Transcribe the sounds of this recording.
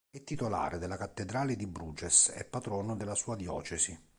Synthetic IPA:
ɛt̪ːit̪ola̰ːɾed̪elːakat̪ːed̪ɾaːlɪd̪ibɾuːd͡ʒɛsɛ̰pːat̪ɾɔːnod̪elːasuːad̪jɔ̰ːt͡ʃɛsi

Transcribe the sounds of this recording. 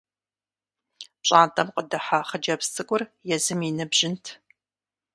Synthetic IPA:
ɕʼaːntʼɐmqədɨħaχəd͡ʒɐpstʰʼɨkʷʼʊrjɛzɨminɨbʒɪntʰ

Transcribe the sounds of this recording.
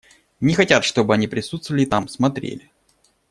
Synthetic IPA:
nʲɪxɐtʲat̪ʂt̪o̞bɨɐnʲipɾʲɪsut̪st̪vəlʲɪt̪amsmɐt̪ɾʲḛlʲɪ

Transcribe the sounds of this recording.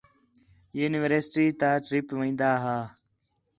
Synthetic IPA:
juːniʋəɾsɪʈiːt̪aʈɾipʋɐ̃d̪aːɦaː

